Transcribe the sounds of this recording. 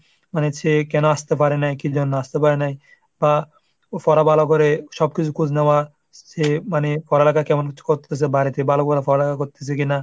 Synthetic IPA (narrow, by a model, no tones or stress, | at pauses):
manesekɛnoast̪ep̬aɾenajkid͡ʑɔnːoast̪epaɾenaj | ba | fɔɾabalokɔɾeʃɔb̚kit͡ʃʰukusnewa | semanefɔɾelakʰakɛmonkiu̥koɾt̪ʰes̬ebaɾit̪ebalokɔɾafɔɾelakakoɾt̪ʰes̬ekina